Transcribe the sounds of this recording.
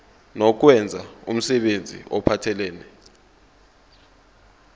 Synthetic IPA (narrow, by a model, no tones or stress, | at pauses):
nɔk̬wɛnd͡zʱaum̩sɛɓend͡zʱḭʔɔpʰatʰɛlɛːnɛ